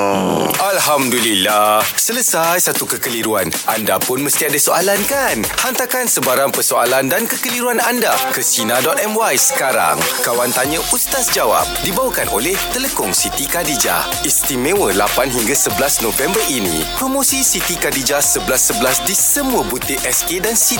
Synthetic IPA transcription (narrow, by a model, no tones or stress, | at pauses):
alɦamdulilasələsajsat̪ukəkəliɾua̰nʔandapʊnməst̪iadasoalankanhant̪akansəbaɾaŋpərsoalandankəkəliɾuanandakəsinadɔt̪ɛmwajsə̥kaɾa̰ŋkawant̪aɲə̃ʔust̪asd͡ʒawa̰p̚dibawakanʔo̰lɛht̪ələkʊŋsit̪ikadid͡ʒa̰ | ist̪imẽwəlapanɦiŋɡasəbəlasnofɛmbərinḭ̃ | pɾomosisit̪ikadid͡ʒasəbəasːəbəlasdisəmuəbut̪iʔɛskedansi